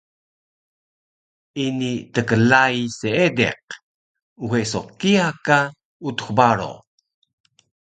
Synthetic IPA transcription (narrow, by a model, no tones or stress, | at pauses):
initəkəlajseedḛq | uxesokiaka | ut̪u̥xbaɾo̰